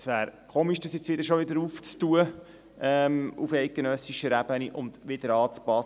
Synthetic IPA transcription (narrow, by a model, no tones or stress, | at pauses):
sʋæːɾkʰoːmiʃd̥əsjɛt͡sʋɪd̪əɾʃoʋɪd̪əɾuːft͡st̪uə | ɛmufɛɪt̚ɡ̥enœsiʃəɾæb̥əniʔʊnd̪ʋɪd̥̪əɾɑːt͡spɑs